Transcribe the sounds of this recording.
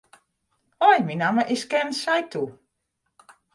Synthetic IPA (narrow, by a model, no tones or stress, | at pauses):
ɔjminaməʔɪskɛnsajtu